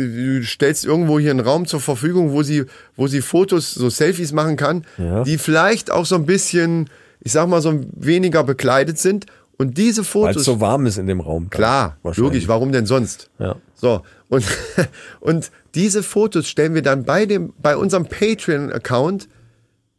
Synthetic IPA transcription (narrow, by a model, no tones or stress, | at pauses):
duːʃtɛlstʔɪɐɡŋ̩tv̥oːhiːɐənʁaʊmt͡suːɐfɛɐfyːɡʊŋvoːziːvoːziːfoːtosz̥oːsɛlfismaχn̩kʰand̥iːfɪlaɪçtʔa̰ʊxz̥oːnbɪsçən | ʔɪçz̥aːɡəmaːlzoːveːnɪɡɐbəkl̥aɪdətz̥ɪnt | ʔʊnt̚d̥iːzəfoːoova̰ɐmɪsɪndeːmʁa̰ʊmkl̥aːɐloːɡɪçvaʁ̞ʊmdɛnzɔnstj̰z̥oː | ʔʊnt | ʔʊnt | d̥iːzəfoːtosʃtɛlənviːɐdanbaɪdeːmbaɪʔʊ̰nzəɐʁəmpʰeɪtʁiənʔa̰kʰaʊnt